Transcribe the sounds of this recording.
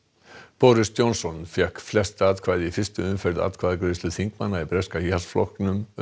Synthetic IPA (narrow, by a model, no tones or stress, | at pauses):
pɔːɾɪst̪jownsɔnfjɛhkflɛst̪aːðkʰv̥aːjðɪifɪst̪ʏʏnfɛɾt̪a̰ːðkʰvaːðɪkɾʏːst̪ɪθiŋkmanːaipɾɛskajalsflɔ̰hknʏm